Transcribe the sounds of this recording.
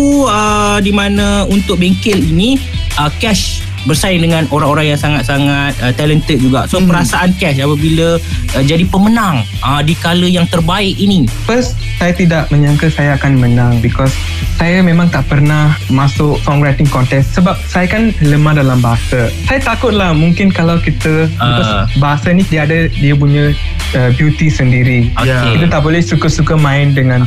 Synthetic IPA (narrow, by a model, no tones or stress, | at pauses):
uədimanə̃unt̪ʊk̚beŋkɪliniəkɛʃ | bərsaɪŋdəŋãnoɾaŋoɾaŋjaŋsaŋat̪̚saŋat̪̚ət̪alənt̪ət̪̚d͡ʒuɡa̰ʔsopəɾasaʔankɛʃapəbiləd͡ʒadipəmənaŋ | ʔədikaləjaŋt̪ərbaɪʔinifəst̪ | sajat̪idaʔmə̃ɲãŋkəsajaakanmənãŋbikɔsː | ajamẽmãŋt̪aʔpərnahmasʊʔkɔŋɡɾat̪ɪŋkɔnt̪ɛkst̪səbap̚sajakanləmãhdalambaɦasasajat̪akʊt̪̚lahmuŋkɪnkalawkit̪əbiɔsbaɦasainĩdiadədiəp̬uɲə | əbjut̪isəndiɾikit̪ət̪aʔbolɛhsukəsukəmãɪndəŋãn